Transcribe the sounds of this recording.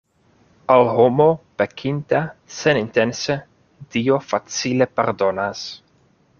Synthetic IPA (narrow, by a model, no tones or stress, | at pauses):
alhomopekʰint̪asenint̪ense | d̪̥iofat͡silepeɾd̪onas